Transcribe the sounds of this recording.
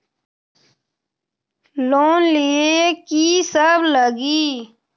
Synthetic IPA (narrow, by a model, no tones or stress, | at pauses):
loːnliekisəbləɡiː